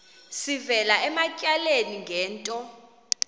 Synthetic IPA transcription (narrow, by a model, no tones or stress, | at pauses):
sivɛlaɛmacʼaleniŋɡʱɛːntʼɔ